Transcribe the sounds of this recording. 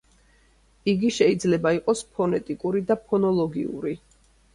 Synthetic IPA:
iɡiʃɛid̪zlɛbaiqʼɔspʰɔnɛt̪ʼikʼuɾid̪apʰɔnɔlˠɔɡḭṵɾi

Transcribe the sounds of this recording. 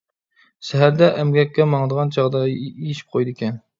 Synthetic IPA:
ʃɛɦæɾd̪ɛʔɛmɡʲɛkʲːɛmɑŋd̪əʁɑnt͡ʃʰɑʁd̪ɑejiʃi̥p̚qʰojd̪ɨkʲʰɛn

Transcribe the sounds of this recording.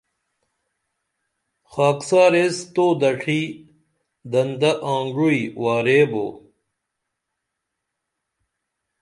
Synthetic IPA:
xaːksaːɾest̪oːd̪ɐʈʰi | d̪ɐnd̪ɐʔãːŋɡuiwaːɾeːbo̰ː

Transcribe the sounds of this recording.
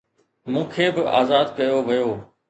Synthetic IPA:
mũːkʰeːbɪʔa̰ːzaːd̪kɐjoʋɪjoː

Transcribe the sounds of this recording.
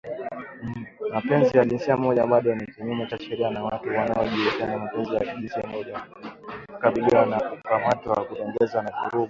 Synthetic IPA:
mapɛnzijaʄinsiamɔʄaɓaɗɔnikiɲumɛt͡ʃaʃɛɾianawatuwanaɔʄulikanamapɛnzijaʄinsiamɔʄa | kaɓiliwanakukamatwakutɛŋɡɛzanavuɾuɓu

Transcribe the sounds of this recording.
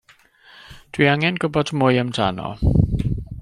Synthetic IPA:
d̥wiaŋɛnɡ̥ʊbɔdʰmʊjəmtʰanɔ̰

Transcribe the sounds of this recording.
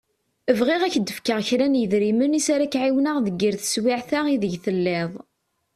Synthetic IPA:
əvʁɪʁæçd̪ːəfkəʁçɾænjəðɾimənisaɾakʕiwnəʁðəɡːiɾθə̥swiʕθaʁiðəʝθəlːɪðˤ

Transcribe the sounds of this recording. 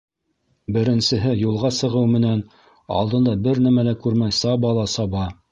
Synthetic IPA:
bɘ̆ɾɘ̆nsɘ̆ɦɘjulˠʁɑsɤ̆ʁɤwmɘ̆næn | ɑ̰lˠd̪ɤ̆nd̪ɑbɘɾnæmælækʉɾmæjsɑbɑlˠɑsɑbɑ

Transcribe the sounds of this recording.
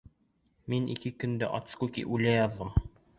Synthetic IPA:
minʔḭkɘkɵ̆nd̪æ̰ʔɒ̰t̪skukḭʔʉlæjɑðːɤm

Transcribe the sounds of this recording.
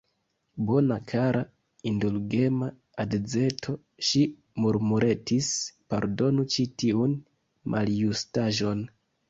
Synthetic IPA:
bo̞nakʰaɾa | indulɡe̞maː | dd͡ze̞tʰo̞ | ʃi | muɾmuɾʔe̞tispaɾdo̞nut͡ʃitiun | mʔa̰ljustaʒo̞n

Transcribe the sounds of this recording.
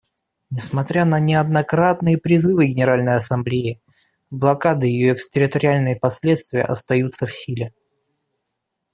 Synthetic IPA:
nʲɪsmɐt̪ɾʲanənʲɪɐd̪nɐkɾat̪nɨjəpɾʲɪzɨvɨɡʲɪnʲɪɾalʲnəjɐsɐmblʲeɪ | blˠɐkad̪ɨjɪjoɛkstʲɪɾʲɪt̪əɾʲɪalʲnɨjəpɐsʲlʲe̞t̪st̪vʲɪjə̰ʔɐ̰st̪ɐjut̪sːəfsʲilʲɪ

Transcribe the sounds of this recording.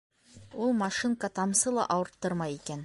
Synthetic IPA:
wolˠmɑʃiŋkɑt̪ʰɑmsəlˠɑ̰ʔɑwəɾt̪ːəɾmɑjikʲen

